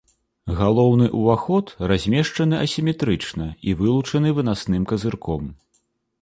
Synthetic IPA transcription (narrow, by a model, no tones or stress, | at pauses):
ɣalˠɔwn̪ɨʔuvaxɔt̪razʲmʲɛʂt͡ʂɐn̪ɨʔɐsʲimʲɛt̪ɾɨt͡ʂnɐivɨlˠut͡ʂɐn̪ɨvɨnasnɨmkɐzɨrkɔm